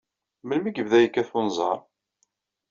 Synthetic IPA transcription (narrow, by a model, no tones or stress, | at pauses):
məlmiɡəvðæjəkːæθunzˤɑ̰ɾˤ